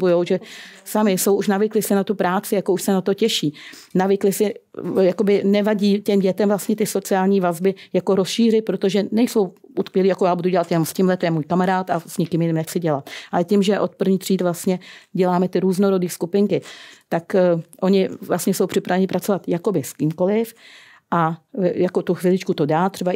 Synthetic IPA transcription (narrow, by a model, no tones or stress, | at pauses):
bujowʒɛsamɪso̞wʔuʃnavɪklɪsɪnat̪upɾaːt͡sɪjako̞uʃsɛnat̪o̞cɛʃiːnavɪklɪsɪjako̞bɪnɛvaɟiːcɛmɟɛt̪ɛmvlast̪ɲɛt̪ɪso̞t͡sɪaːlɲiːvazbɪjako̞ɾosʃiːr̝ɪt̪̚pɾo̞t̪o̞ʒɛnɛjso̞wut̪kvjɛliːjakojaːbuduɟɛlat̪jɛnomscɪmlɛt̪ɛjɛmuːjkamaɾaːt̪asɲɪkɪmjɪnɪmnɛxt͡sɪɟɛlat̪ʔalɛcimʒɛʔo̞t̪̚pr̩vɲiːxt̪r̥iːt̪vlast̪ɲɛɟɛlaːmɛt̪ɪɾuːzno̞ɾo̞diːskupɪŋkɪt̪akʔo̞ɲɪvlastɲɛso̞wpr̥ɪpɾavɛɲɪpɾat͡so̞vat̪jako̞bɪskiːmko̞lɪf | ʔajako̞t̪uxvɪlɪt͡ʃkut̪o̞daːt̪r̥ɛba